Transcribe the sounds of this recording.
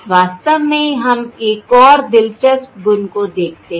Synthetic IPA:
ʋaːst̪əʋmẽɦɐmeːkɔːɾd̪ɪlt͡ʃəspɡʊnkod̪eːk̚ʰt̪eɦ

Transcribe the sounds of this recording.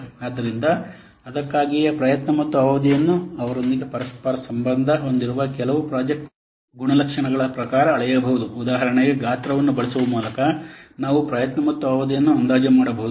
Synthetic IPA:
aːd̪ːɐɾind̪ɐ | ɐd̪ɐkːaːɡijɐpɾɐjɐt̪nɐmɐt̪ːuaːʋɐd̪ijɐnːuɐʋɐɾo̞nd̪iɡe̞pɐɾɐspɐɾɐsɐmbɐnd̪ʱɐɦo̞nd̪iɾuʋɐkɛlɐʋupɾaːd͡ʒek̚ʈ | ɡuɳɐlɐkʂɐɳɐɡɐɭɐpɾɐkaːɾɐːɭɐjɐbɐɦud̪uːd̪aːɦɐɾɐɳeɡe̞ɡaːt̪ɾɐʋɐnːubɐɭisuʋɐmuːlɐkɐnaːʋupɾɐjɐt̪nɐmɐt̪ːuaʋɐd̪ijɐnːuɐnd̪aːd͡ʒɐmaːɽɐbɐɦud̪u

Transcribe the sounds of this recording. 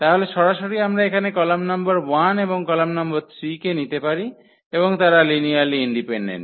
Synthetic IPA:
t̪aɦoleʃɔɾaʃoɾiamɾaekʰanekɔlamnʌmbaɾwaneboŋkɔlamnamboɾt̪ʰɾikenit̪epaɾi | eboŋt̪aɾalinialiiɳɖipeɳɖḛnʈ

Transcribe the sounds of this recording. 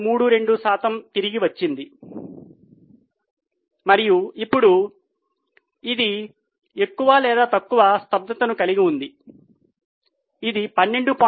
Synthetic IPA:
muːɽuɾe̞ɳɖusaːt̪ɐmt̪iɾiɡiʋɐt͡ʃːind̪i | mɐɾijuipːuɽu | id̪i | e̞kːuʋaːlɛːd̪aːt̪ɐkːuʋɐst̪ɐb̚d̪ɐt̪ɐnukɐliɡiund̪i | id̪ipɐnːe̞ɳɖupaː

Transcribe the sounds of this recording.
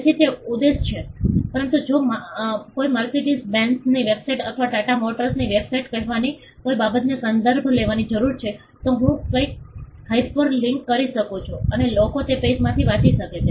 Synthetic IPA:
et͡ʃʰit̪eud̪est͡ʃʰepəɾənt̪ud͡ʒomkojməɾkeʈisbɛ̃nsniʋebsajʈət̪ʰʋaʈaʈamoʈəɾsniʋebsajʈkəɦʋani | kojbabət̪nesənd̪əɾbʱleʋanid͡ʒəɾuɾt͡ʃʰe | t̪oɦũkəik̚haippəɾlɪŋkːəɾiʃəkot͡ʃʰoənelokot̪epesmãt̪ʰiʋãt͡ʃiʃəket͡ʃʰe

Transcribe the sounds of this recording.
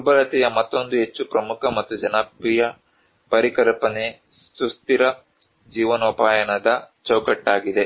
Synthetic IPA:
ubɐɾɐt̪ɛjɐmɐt̪ːo̞nd̪uɦe̞t͡ʃːupɾɐmukʰɐmɐt̪ːud͡ʒɐnɐpːijɐ | pɐɾikɐlpɐne | sust̪iɾɐ | d͡ʒiːʋɐnɐupaːjɐɳɐd̪ɐt͡ʃɐwkɐʈːaːɡid̪e̞

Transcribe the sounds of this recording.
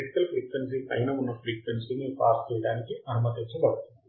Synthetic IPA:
eʈi̥kɐlpʰɾiːkʋens̬iʔɐ̰jnɐunːɐpʰɾiːkʋensinipaːɾt͡ʃɛjɐɽaːnikiʔɐnɐmɐt̪et͡ʃːɐbɐɽut̪ui

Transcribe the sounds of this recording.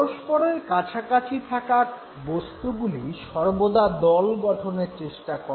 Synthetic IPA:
oʃpɔɾeɾkat͡ɕʰakat͡ɕʰiʈʰakaɾ | bost̪uɡuliʃɔɾbod̪ad̪ɔlɡɔʈʰoneɾt͡ɕeʃʈakɔ

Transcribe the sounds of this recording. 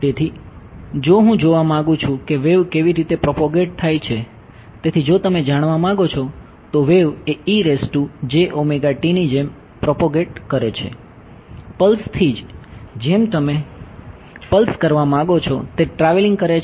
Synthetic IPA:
t̪et̪ʰi | d͡ʒoɦũd͡ʒoʋamãŋɡũt͡ʃʰũkeʋeʋkeʋiɾit̪epɾɔpoɡeʈ̚t̪ʰajt͡ʃʰe | t̪et̪ʰid͡ʒot̪əmed͡ʒaɽ̃ʋamãɡot͡ʃʰɔ | t̪oʋeʋeiɾesʈud͡ʒeʔomeɡaʈinid͡ʒem | pɾɔpoɡeʈkəɾet͡ʃʰḛ | pəlst̪ʰid͡ʒd͡ʒemt̪əme | pəlskəɾʋamãɡot͡ʃʰɔt̪eʈɾaʋeliŋɡ̚kəɾet͡ʃ

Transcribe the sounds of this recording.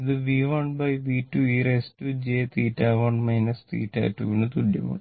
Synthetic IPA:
id̪ɨʋiːʋɐɳɖbɐjʋiːʈːuiːɾesʈud͡ʒeːt̪iːʈːaːʋɐɳɖmɐjnɐst̪ḭːʈːa̰ːʈuːʋinut̪uɖjɐ̰ʋṵɳɖ

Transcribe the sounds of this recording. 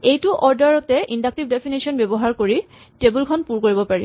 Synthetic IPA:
ejtuʔɔɹdaɹɹɔtɛʔindak̚tibdepʰinisɔnbebɔɦaɹkoɹi | tebulkʰɔnpuɹkoɹibɔpaɹi

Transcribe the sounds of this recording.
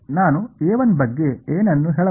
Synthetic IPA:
naːnueːʋɐnbɐɡːe̞eːnɐnːuɦɛːɭɐ

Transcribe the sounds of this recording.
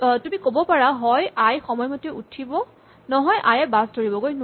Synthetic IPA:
tumikobɔpaɹaɦɔjajxɔmɔjmɔteʔutʰibɔ | nɔɦɔjʔajɛbasdoɹibɔɡojn

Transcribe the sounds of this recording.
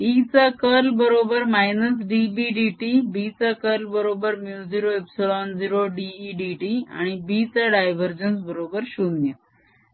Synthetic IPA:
it͡sakəlbəɾobəɾmajnəs̬ɖibiɖiʈibit͡sakəlbəɾobəɾmjud͡ziɾoepselɔnd͡ziɾoɖiiɖiʈia̰ɽ̃ibit͡saɖajʋəɾd͡ʑənsbəɾobəɾɕunjə

